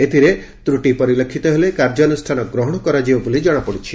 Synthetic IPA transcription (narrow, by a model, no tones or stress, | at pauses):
et̪ʰiɾe | t̪ɾuʈipɔɾilekʰːit̪ɔɦelekaɾd͡ʒɔnusʈʰanɔɡɾɔɦɔɽ̃ɔkɔɾad͡ʒibɔbulid͡ʒɔɽ̃ɔpɔɽit͡ʃʰi